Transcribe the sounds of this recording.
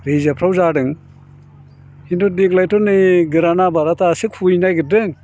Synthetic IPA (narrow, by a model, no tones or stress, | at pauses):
ɾezapʰɾawzadɯŋ | hindɔdik̚lajtɔnɯɡɯɾanabaɾatasikʰujnajɡɯdɯŋ